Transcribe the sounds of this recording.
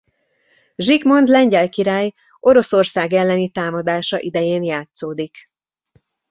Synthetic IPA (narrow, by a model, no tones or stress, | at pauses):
ʒikmo̞nd̪lɛɲɟɛlkiɾaːj | ʔo̞ɾo̞so̞rsaːɡɛlːɛnit̪aːmɒd̪aːʃɒʔid̪ɛjeːnjaːt̪soːd̪ik